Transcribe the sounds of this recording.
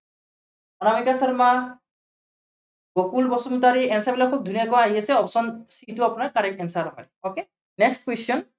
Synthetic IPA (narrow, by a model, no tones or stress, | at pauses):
anamikasɔɾma | ɡokulbɔsɔnut̪aɾiɛnsabilakʰub̚d̪ʱunijaɡɔaɦjesʰeɔpsɔnsituapɔnaɾkaɾekɛnsaɾɦɔ̰j | oke | nekstkwesɔn